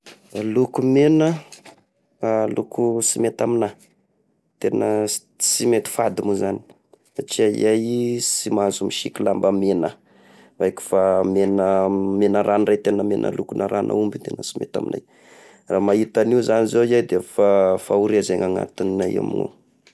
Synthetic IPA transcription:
alukumenə | lukusimet̪amina | t̪enə | t͡simet̪i̥fad̪imuzani̥ | sat͡ʃiazajsimazumiʃikʲilambəmenə | vajkʲu̥famenəmenəɾʔanret̪enəmenʔə̰lukunaɾanʔa̰umbit̪enəsi̥mḛt̪a̰minaj | raːmait̪aniuzanizoiajd̪efafauɾiazeŋaŋa̰t̪inːaja̰mḭno̰

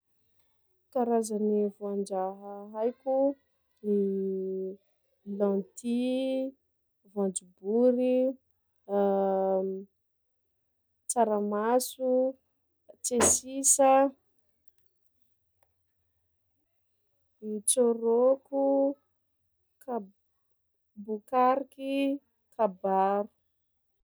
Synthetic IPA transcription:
kaɾazanivuand͡ʒaɦaɦajkʲu | ni | lãnt̪i | vãnd͡ʒubuɾi | t͡saɾamasu | t͡sesisə | it͡soɾoku | ka | bukaɾiki | kabaɾu̥

